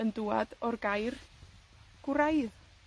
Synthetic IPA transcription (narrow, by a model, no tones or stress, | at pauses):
ənduːa̰dɔrɡajr | ɡ̥ɾajð